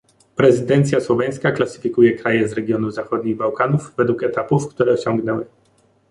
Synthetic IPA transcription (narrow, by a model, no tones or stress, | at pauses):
pɾɛzɘd̪ɛnt̪sʲjaswɔvʲaj̃skaklasɘ̥fʲikujɛkɾajɛzɾɛɡʲjɔnuzaxɔd̪̚ɲiɣbawkanuvvɛd̪wukɛt̪apufkt̪uɾɛɔɕɔŋɡnɛwɘ